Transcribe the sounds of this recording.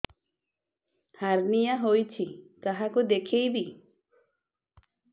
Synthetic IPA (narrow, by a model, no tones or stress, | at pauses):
haɾnijaɦojt͡ʃʰikaɦakud̪ekʰejbi